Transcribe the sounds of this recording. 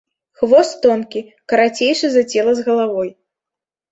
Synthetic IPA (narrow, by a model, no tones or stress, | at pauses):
xvɔst̪ɔnkʲi | kɐɾat͡sʲejʂɨzat͡sʲɛlˠɐzɣɐlˠavɔj